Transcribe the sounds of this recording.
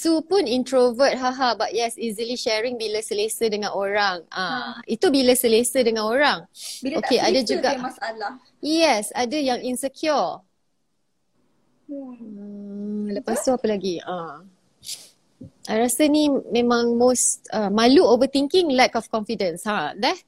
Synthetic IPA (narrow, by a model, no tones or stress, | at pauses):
sopʊnĩntɾovət̚ɦaɦabaʔ̚jɛsizəliʃɛɹɪ̃ŋbiləsəlesədəŋãnoɾaŋãit̪ubiləsəlesədəŋãnoɾaŋokeʔadad͡ʒuɡaaala | jɛsadəjaŋinsəkʰjɔ | ələpast̪uapəlaɡia | ajɾasənimẽmãŋmostəmaluovət̪iŋkɪŋlɛkɔfkɔ̃nfidə̃nshadɛt̚